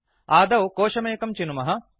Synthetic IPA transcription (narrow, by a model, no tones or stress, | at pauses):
aːd̪ɐwkoːʂɐmeːkɐmt͡ʃinumɐɦɐ̆